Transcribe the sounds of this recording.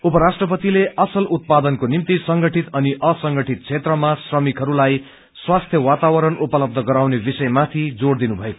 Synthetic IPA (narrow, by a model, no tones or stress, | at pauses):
upʌɾasʈrʌpʌt̪ileʔʌsʌlut̪̚pad̪ʌnkonimt̪isʌŋɡʌʈʰit̪ʌniʔʌsʌŋɡʌʈit̪̚t͡sʰet̪rʌmasrʌmikɦʌɾulaj | swast̪ʰjʌwat̪awʌɾʌnupʌlʌb̚d̪ʱʌɡʌɾawnebisʌjmat̪ʰid͡zoɽd̪inubʱʌeko